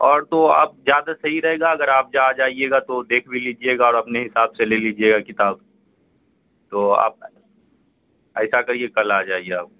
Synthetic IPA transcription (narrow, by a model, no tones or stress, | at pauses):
ɔːɾt̪oa̰ːp̚zjaːd̪asɐɦiɾɐɦeːɡaɐɡəɾaːp̚d͡ʒaːd͡ʒaːieːɡat̪od̪eːkʰbiliːd͡ʒieːɡaɔːɾɐpneɦɪsaːbseleːliːd͡ʒieːɡakɪt̪aːb | t̪oa̰ːp̚ | ɛ̰ːsakɐɾiekɐlaːd͡ʒaːieaːp̚k